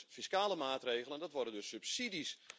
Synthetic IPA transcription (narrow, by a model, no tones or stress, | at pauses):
fiskaːləmaːtreːɣələndɔtʋɔrdəndɵsːʉpsidis